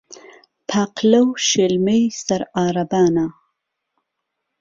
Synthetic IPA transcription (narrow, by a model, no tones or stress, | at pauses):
pʰaqlawʃilmejsaɾaːɾabɑːna